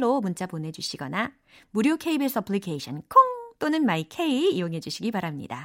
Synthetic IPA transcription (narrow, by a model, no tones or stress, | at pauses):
omunt͡ɕ͈apone̞d͡ʑuɕʰiɡʌna | muɾjokʰeibes͈ʌpʰɭikʰeiɕʰʌnkʰoŋt͈onɯnmaikʰe̞iijoŋɦe̞d͡ʑuɕʰiɡipaɾamɲḭda